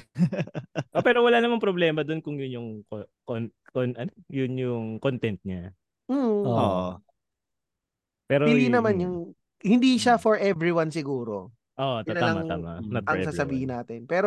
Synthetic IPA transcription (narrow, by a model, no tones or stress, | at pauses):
ʔopɛːɾowɐlaːnɐmaŋpɾoblɛːmɐd̪onkʊŋjʊnjʊŋkokonkonʔɐnojʊnjʊŋkont̪ɛnt̪̚ɲa | m̩oʔo̰ʔo | pɛːɾoɪnd̪inɐmanjʊŋ | hɪnd̪iʃafɔɹʔɛvɹiwansɪɡuːɾo̞̰ | ʔoʔot̪ʊnalɐmɐŋa̰ma̰nɐt̪̚ɐɛŋsaːsɐbiːhɪnaːt̪ɪɛnpɛːɾo